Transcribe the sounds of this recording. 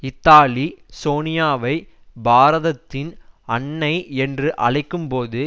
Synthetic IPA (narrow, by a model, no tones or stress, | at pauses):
ɪt̪ːaːlisoːnɪjaːʋɐɪ | baːɾɐðɐt̪ːɪnɐɳːɐɪɛndrɯʔɐ̰ɭɐɪkːɯmpoːðɯ